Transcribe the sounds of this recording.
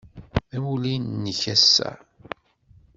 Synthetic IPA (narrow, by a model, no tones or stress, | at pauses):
æwulinnːəçæsːæ̰